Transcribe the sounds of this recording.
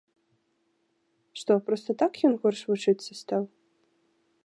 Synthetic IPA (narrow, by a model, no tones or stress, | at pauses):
ʂt̪opɾost̪ɐt̪akjɔnɣɔrʂvuʈ͡ʂʰɨt̪sɐst̪ʰaw